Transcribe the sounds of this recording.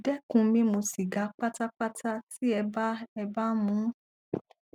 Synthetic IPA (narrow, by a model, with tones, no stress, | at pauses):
dɛ˦kũ˧˦mĩ˦mo˧si˨ɡa˨˦k͡pa˦ta˦k͡pa˦ta˦ti˦ɛ˧ba˦ɛ˧ba˦mũ˨˦